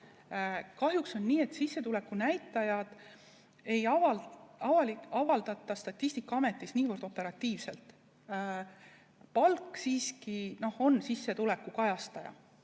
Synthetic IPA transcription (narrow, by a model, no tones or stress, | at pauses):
kɑɦjukso̞nːiːe̞t̪sisːe̞t̪ule̞kːˑunæjt̪ːˑɑjɑd̪̥ | e̞jɑvɑɑvɑliɑvɑld̪̥ɑt̪ːˑɑst̪ɑt̪ʲːˑisʲt̪ikːˑɑɑme̞t̪ːˑisniːvɨrd̪̥o̞pːˑe̞ɾɑt̪ʲːˑiːvse̞lt̪ˑː | pɑlksiːskino̞ho̞nsisːe̞t̪ule̞kːˑukɑjɑst̪ɑjɑ̰